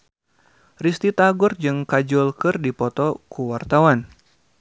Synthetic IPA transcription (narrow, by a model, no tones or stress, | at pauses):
rist̪it̪aɡʊrd͡ʒɨŋkad͡ʒɔlkɨrdipɔt̪ɔkuwart̪awan